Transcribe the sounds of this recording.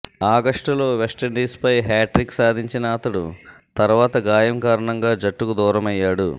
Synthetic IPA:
aːɡɐʂʈɐlo̞ːʋesʈɐɳɖiːspɐjɦaːʈɾiksaːd̪ʱiɲt͡ʃinɐːt̪ɐɽṵt̪ɐɾʋaːt̪ɐɡaːjɐmkaːɾɐɳɐŋɡaːd͡ʒɐʈːukud̪ɔːɾɐmɐjːaːɽṵ

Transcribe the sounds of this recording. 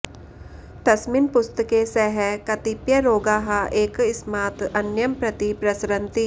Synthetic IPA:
t̪ɐsmɪnpʊst̪əkesɛɦɛkɐt̪ɪpjəɾoːɡaːɦaʔeːkɪsmaːt̪ɐnjəmpɾɐt̪ipɾɐsɾə̃nt̪i

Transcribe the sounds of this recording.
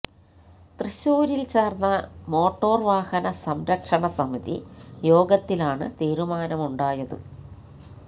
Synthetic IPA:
t̪riɕuːɾilt͡ɕeːrnːɐmo̞ːʈːo̞ːrʋaːhɐnɐsɐmɾɐkʂɐɳɐsɐmiðḭjo̞ːɡɐt̪ːilaːɳɨ̰t̪iːɾumaːnɐmuɳɖaːjɐðɨ̰

